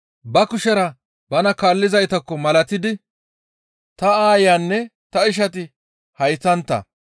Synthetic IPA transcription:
bɐkʊʃɛɾɐ | bɐnɐkaːlːɪzɐjt̪ɐkːɔmɐlɐt̪ɪd̪ɪ | t̪ɐaːjaːnːɛt̪ɐɪʃ̬ɐt̪ɪ | hɐjsɐnt̪ːɐ̰

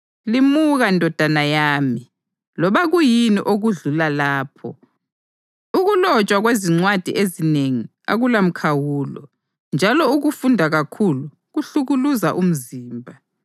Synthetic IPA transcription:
limuɣandʱɔd̥ʱanajaːmi | lɔβaɣujiniʔoɣuɮulalaːpʰɔ | uɣulɔt͡ʃʼwaɣweziŋ͡ǀwad̥ʱiʔezineŋi | a̰ɣulam̩kʰawuːlɔ̰ | nd͡ʒʱalɔuɣufundʱaɣakʰulu | ɣuɬuɣuluzaʔum̩ziːmbʱa

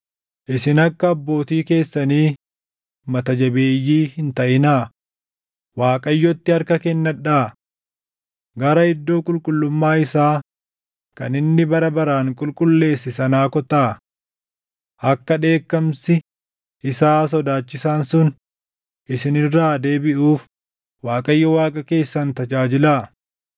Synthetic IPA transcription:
ʔɪsɪnɐkːɐːbːo̞ːt̪iːke̞ːsːɐniː | mɐt̪ɐd͡ʒɐbe̞ːjːiːhɪnt̪ɐʔɪnaː | waːkʼɐjːɔt̪ːɪɐɾkɐkɛnːɐᶑaː | ɡɐɾɐɪd̪ːo̞ːkʼʊlkʼʊlːʊmːaːɪsaː | kɐnɪnːɪbɐɾɐbɐɾaːŋkʼʊlkʼʊlːe̞ːsːɪsɐnaːkɔt̪aː | ʔɐkːɐᶑe̞ːkːɐmsɪ | ʔɪsaːs̬ɔd̪aːt͡ʃːɪsaːnsʊn | ʔɪsɪnɪrːaːd̪e̞ːbɪʔuːf | waːkʼɐjːɔwaːkʼɐke̞ːsːɐnt̪ɐd͡ʒaːd͡ʒɪlaː

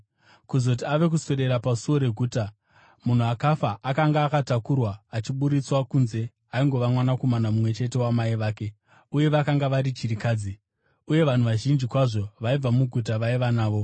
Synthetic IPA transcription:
kuzo̞t̬iaʋe̞k̬uso̞ɾe̞ɾapasuwo̞ɾe̞ɡʱuːta | mun̤uakafaʔakaŋɡaːkatakurwaːt͡ʃiɓuɾit͡swakunze̞ | aiŋɡo̞ʋamwanako̞manamumwe̞t͡ʃe̞tewamaiʋaːke̞ | uje̞ʋakaŋɡaʋaɾit͡ʃiɾikaːd͡zi | uje̞ʋan̤uʋaʒind͡ʒikwaʐo̞ʋaib͡vamuɡʱut̬aʋaiʋanaːʋo̞

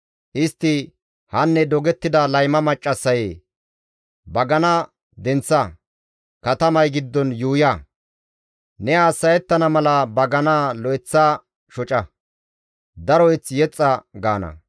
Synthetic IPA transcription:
ʔɪst̪ːɪ | hɐnːɛd̪ɔɡɛt̪ːɪd̪ɐlɐjmɐmɐt͡ʃʼːɐsːɐje | bɐɡɐnɐ | d̪ɛnt͡sːɐ | kɐt̪ɐmɐjɡɪd̪ːɔnjuːjɐ | nɛaːsːɐjɛt̪ːɐnɐmɐlɐbɐɡɐnaːlɔɛt͡sːaː | ʃɔt͡ʃʼɐ | d̪ɐɾɔjt͡sjɛt͡sʼːɐɡa̰ːnɐ̰

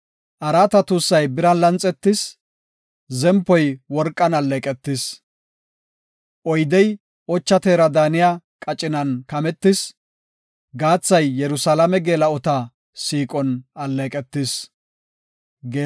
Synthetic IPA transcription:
ʔɐɾaːt̪ɐt̪uːsːɐjbɪɾɐnlɐnt͡sʼːɛt̪ːɪs | zɛmpːɔjwɔɾkʼːɐnɐlːɛkʼɛt̪ːɪs | ʔɔjd̪ɛj | ʔɔt͡ʃːɐt̪eːɾɐd̪aːnɪja | kʼɐt͡ʃʼːɪnɐnkɐmɛt̪ːɪs | ɡaːt͡sːɐjːɛɾʊsalɐmɛɡeːlɐɔt̪ɐ | siːkʼɔnɐlːɛkʼɛt̪ːɪs | ɡeː

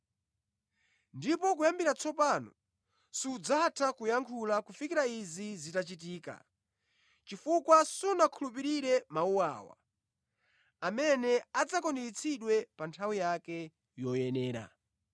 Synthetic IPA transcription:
ndipɔkujambiɾat͡sʰɔpanɔ̰ | siud͡zatʰakujaŋkʰulakufikiɾaizizitat͡ʃit̬iːka̰ | t͡ʃifukwasunakʰulup̬iɾiɾɛmauwa̰ːwa̰ | amɛnɛad͡zakɔndiit͡sʰiɗwɛpantʰawijakɛ | jɔjɛnɛːɾa̰

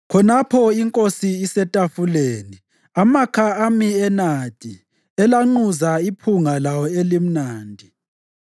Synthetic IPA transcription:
kʰɔnapʰɔiŋkʼosiːsɛtʼafuleni | amakʰaamiɛnad̥ʱʼi | ɛlaŋ͡ǃuzaipʰuŋalawɔelim̩naːndʱi

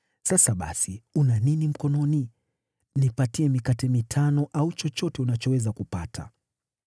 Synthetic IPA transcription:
sasaɓa̰siunaninim̩kɔnɔni | nipatiɛmikatɛmitʰanɔʔaut͡ʃɔt͡ʃɔtɛunat͡ʃɔwɛzakupatʰa̰

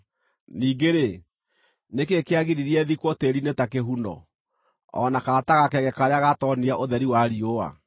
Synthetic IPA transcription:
niːɡeɾe | nekekeaɣiɾiɾiɛðikwɔteɾinetakeɦundɔ̰ | ɔ̰nakaataɣakɛɣɛkaɾeaɣatɔniaʔoðɛɾiwaɾioa̰

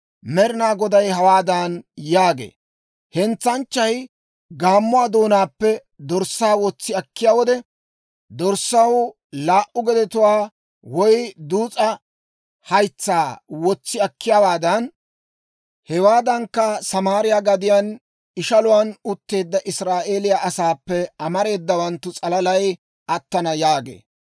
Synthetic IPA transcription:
mɛɾɪnaːɡɔd̪ɐjɦɐwaːd̪ɐnjaːɡḛː | hɛnt͡sːɐnt͡ʃːɐj | ɡaːmːʊwaːd̪o̞ːnaːpːɛ | d̪ɔɾsːaːwɔt͡sːɪɐkːɪjaːwɔd̪ɛ | d̪ɔɾsɐw | laːʔʊɡɛd̪ɛt̪ʊwaː | wɔjd̪uːt͡sʼɐ | hɐjt͡sːaːwɔt͡sːɪɐkːɪjaːwaːd̪ɐn | hɛwaːd̪ɐŋkːɐsɐmaːɾɪjaːɡɐd̪ɪjan | ɪʃɐlʊwanʊt̪ːe̞ːd̪ːɐʔɪsɾaːʔe̞ːlɪjaːʔɐsaːpːɛɐmɐɾe̞ːd̪ːɐwɐnt̪ːʊt͡sʼɐlɐlɐj | ʔɐt̪ːɐnɐjaːɡḛː

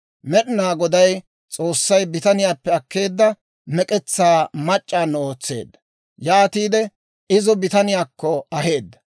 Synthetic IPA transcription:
mɛɗɪnaːɡɔd̪ɐj | t͡sʼo̞ːsːɐjbɪt̪ɐnɪjaːpːɛɐkːe̞ːd̪ːɐ | mɛkʼɛt͡sːaːmɐt͡ʃʼːaːnːɛoːt͡sːe̞̰ːd̪ːɐ | jaːt̪iːd̪ɛ | ɪzɔbɪt̪ɐnɪjaːkːɔɐɦe̞ːd̪ːɐ̥

